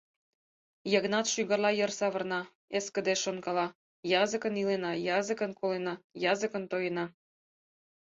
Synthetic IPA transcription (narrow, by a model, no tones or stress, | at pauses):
jəɣnɑt̪ʃyɣə̆rlɑjərsɑβɤ̆rnɑ | eskə̆d̪eʃonkɑlɑ | jɑzəkənilenɑjɑzə̆kənkʰolenɑjɑzəkə̆nt̪ojənɑ